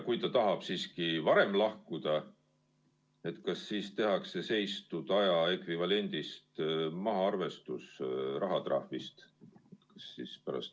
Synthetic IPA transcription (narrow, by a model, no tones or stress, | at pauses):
kujt̪ɑt̪ɑɦɑb̥siːskivɑɾe̞mlɑhkud̪̥ɑ | e̞t̪kɑsːiːst̪e̞ɦɑkse̞se̞jst̪ud̪̥ɑjɑe̞kvivɑle̞nʲd̪̥ist̪mɑɦɑɑrve̞st̪usrɑɦɑt̪rɑ̰hvist̪kɑ̥sːiːspæɾɑ̰st̪